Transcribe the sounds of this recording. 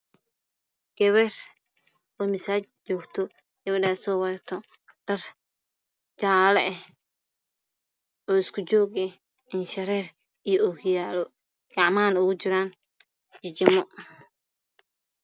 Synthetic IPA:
ɡ̥ɛβɛr | ɔːmɪsaːt͡ʃt͡ʃɔːɡt̪ʰɔ | ɡ̥ɐβɛɖaːsɔːwɐt̪ʰɔ | ɖ̥ɐr | d͡ʒt͡ʃaːlɛɛh | ɔːɪskʰʊt͡ʃɔːɣɛ | ɪnʃɐɾɛːr | ijɔɔhɪjaːlɔ | ɡ̥ɑʕmaːnʊɣʊt͡ʃɪɾaːn | t͡ʃɪt͡ʃɪmɔ

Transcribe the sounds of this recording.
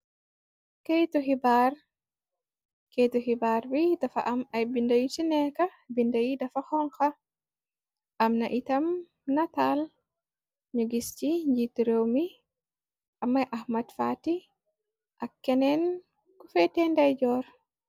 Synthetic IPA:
kejtɔɦibaɾ | kejtɔɦibaɾbidafa̰ʔamajbindajit͡ʃinɛka | bindajidafahɔŋka | ʔamnaʔitam | natal | ɲoɡist͡ʃiɲd͡ʒituɾewmi | ʔamːajʔahmadfati | ʔakːɛnɛn | kɔfɛtɛndajd͡ʒɔɾ

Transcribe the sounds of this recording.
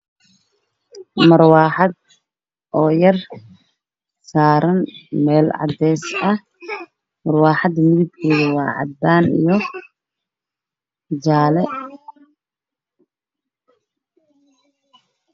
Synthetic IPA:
mɐrwaːħɑd̪̚ | ʔɔːjɐr | saːɾɐnmɛːlʕɑ̰d̪ɛːsɐh | mɐrwaːħɑd̪mɪðɪb̚kʰiːɣɐwɑːʕɑ̰d̪ːaːnḭjɔ | d͡ʒaːlɛ

